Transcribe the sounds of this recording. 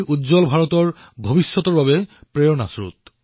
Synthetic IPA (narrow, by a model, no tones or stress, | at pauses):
udd͡ʑɔlbʱaɹɔtɔɹ | bʱobisːɔt̪ɔɹbabɛpɹeɔnasɹṵt̪̚